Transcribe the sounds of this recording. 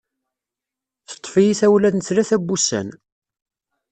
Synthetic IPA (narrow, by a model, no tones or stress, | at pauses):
θə̥t̪ˤːfijiθæwlæðnət͡sɾæθæbːusːæ̰n